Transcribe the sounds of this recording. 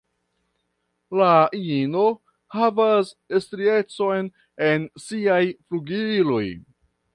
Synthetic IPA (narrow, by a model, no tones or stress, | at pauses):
laiino̞ | havasestɾie̞t͡so̞jn | e̞nsiajfluɡilo̞j